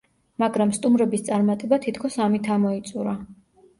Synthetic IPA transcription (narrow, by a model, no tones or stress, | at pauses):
maɡɾamst̪ʼumɾɛbist̪sʼaɾmat̪ʼɛbat̪ʰit̪ʰkʰɔsamit̪ʰamɔit̪sʼuɾa